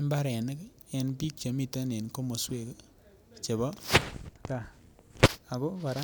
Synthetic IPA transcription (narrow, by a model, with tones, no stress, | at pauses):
mba˦ɾɛ˨nɪ˦k | ɛ˨npi˦k̚t͡ʃo˨mi˦˨ta˦ne˨nko˦mo˨swe˦˨k | t͡ʃe˨bɔ˦ka˨ | a˨ko˦ba˨ɾa˦